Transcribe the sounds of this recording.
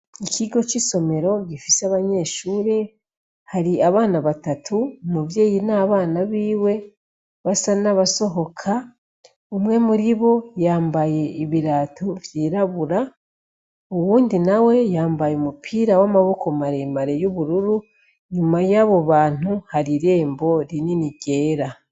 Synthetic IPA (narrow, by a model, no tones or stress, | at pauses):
icʰiɡo̞t͡ʃiso̞me̞ɾo̞ɟifiseaβaɲe̞ʃuːɾe̞ | haɾiaβaːnaβatatʰumuvje̞ːjinaːβaːnaβiːwe̞ | βasanaβaso̞ɦo̞kʰa | umŋe̞muɾiβo̞jaːmbaje̞iβiɾaːtʰovjiːɾaβuɾa | uwuːndinawe̞jaːmbajeumupʰiːɾawamaβo̞kʰo̞maɾe̞ːmaɾe̞joβuɾuɾu | ɲumajaːβo̞βaːn̥uhaɾiɾe̞ːmbo̞ɾininiɟe̞ːɾa